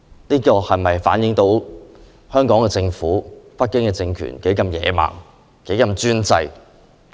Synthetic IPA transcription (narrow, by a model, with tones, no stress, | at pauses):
niː˥kɔː˧hɐ˨jmɐ˨jfa̰ː˨˥njɪ˨˥ŋt̪o˨˥w | hœː˥ŋkɔː˨˥ŋkɛː˧t͡sɪ˧ŋfuː˨˥pɐ˥t̚kːɪ˥ŋkɛː˧t͡sɪ˧ŋkʰy̰ː˨˩nke˨˥jkɐ˧mjɛ̰ː˨˥ma̰ː˨˩ŋ | ke˨˥jkɐ˧mt͡ʃyː˥nt͡sɐ˧j